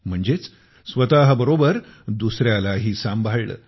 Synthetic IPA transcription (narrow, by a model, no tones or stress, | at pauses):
m̤əɳd͡zet͡s | sʋət̪aɦəbəɾobəɾd̪usɾjalaɦiːsambʱaɭɭə̰ː